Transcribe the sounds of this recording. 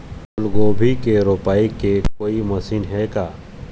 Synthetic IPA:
ʊlɡoːbʱikeɾoːpaːikekoːimɐsiːnɦɛkaː

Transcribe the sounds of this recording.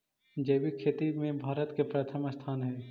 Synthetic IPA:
d͡ʒɐːʋikʰeːt̪imẽbʱaːɾət̪kepɾət̪ʰəmst̪ʰaːnɦɛː

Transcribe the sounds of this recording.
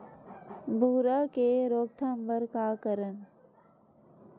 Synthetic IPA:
bʱuːɾakeɾoːk̚t̪ʰəmbəɾkaːkəɾən

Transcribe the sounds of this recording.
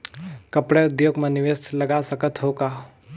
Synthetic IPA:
kəpɽɛʊd̪joːɡməniʋest̪lɐɡasəkət̪ɦoka

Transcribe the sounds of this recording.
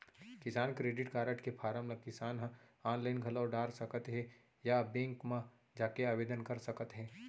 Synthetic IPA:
kɪsaːnkɾeːɖɪʈkaːɾəʈkepʰaːɾəmlɐkɪsaːnɦaːnlaːɪnɡʱɐlaːɖaːɾsɐkət̪ɦɛ | jabẽːŋkmã | d͡ʒaːkeaːʋeːd̪ənkɐɾsɐkət̪ɦɛ̃ː

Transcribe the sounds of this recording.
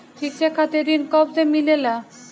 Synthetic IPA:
ʈʰik̚t͡ʃekʰːat̪eɾinkɔbzemilela

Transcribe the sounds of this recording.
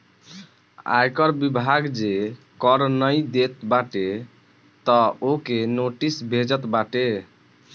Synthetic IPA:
a̰jkəɾbibʱaɡd͡ʒe | kəɾnəjd̪et̪baʈe | t̪ɔokenoʈisbʱed͡ʒət̪baʈe

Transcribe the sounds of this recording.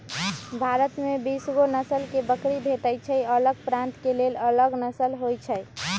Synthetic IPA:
bʱaɾət̪mebisɡonəsəlkebəkɾibʱeʈəjt͡ʃʰəələɡ̚pɾãnt̪kelelələɡnəsəlɦojt͡ʃʰəj

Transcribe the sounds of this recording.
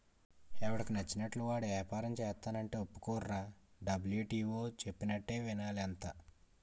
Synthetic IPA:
ɛʋɐɽɐkinɐt͡ʃːinɐʈluʋaːɽʋɛɛːpaːɾɐmt͡ʃɛːst̪aːnɐɳʈeːopːu̥kuːrːaːɖɐbljuːʈiːʋoːt͡ʃe̞pːinɐʈːe̞ːʋinaːliɐnt̪a

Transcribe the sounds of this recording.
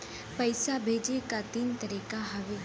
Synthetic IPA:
pəɪsabʱeːd͡ʒekat̪iːnt̪əɾiːkaɦɐʋe

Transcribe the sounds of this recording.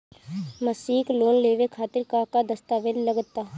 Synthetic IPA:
məsiːkloːnleːʋekʰaːt̪ɪɾkaːkad̪əst̪aːʋeːlləɡət̪ːaː

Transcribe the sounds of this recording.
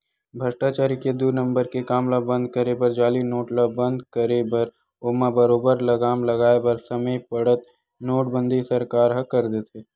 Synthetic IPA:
bʱɐʃʈaːt͡ʃaːɾiked̪unə̃mbəɾkekaːmlabə̃nd̪̚ʱkəɾebəɾd͡ʒaːlinoːʈləbə̃nd̪kəɾebəɾ | ʊmabəɾoːbəɾlɐɡaːmlɐɡaːebəɾsɐməjpɐɽət̪̚ | noːʈbə̃nd̪ʱisɐɾkaːɾɦɐkɐɾd̪et̪eː

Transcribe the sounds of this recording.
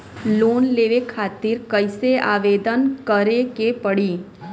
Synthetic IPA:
lonleʋekʰat̪iɾkəjseʔaʋed̪ənkəɾekepəɽi

